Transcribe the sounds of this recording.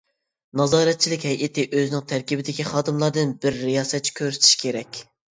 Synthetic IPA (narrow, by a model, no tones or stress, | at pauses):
nɑzɑːɾɛt̪̚t͡ʃʰilɪkʲɦɛjʔɪt̪ʰɪʔøzɪnɪŋt̪ʰæɾkʲibɪd̪ɪkʲiχɑːd̪ɨmlˠɑɾd̪ɨnbɪɾːijɑːsɛt̪̚t͡ʃʰːi̥kʲʰøɾsyt̪ʰi̥ʃkʲeɾɛkʲ